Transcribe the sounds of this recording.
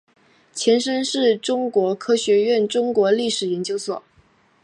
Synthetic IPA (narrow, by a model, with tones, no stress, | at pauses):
t͡ɕʰjɛ˧˥nʂə˥nʂɻ̩˥˩ʈ͡ʂʊ˥ŋkwɔ˧˥kʰɤ˥ɕɥɛ˧˥ɥɛ˥˩nʈ͡ʂʊ˥ŋkwɔ˧˥li˥˩ʂɻ̩˨˩jɛ˧˥nt͡ɕjo˥ʊswɔ̰˨˩˦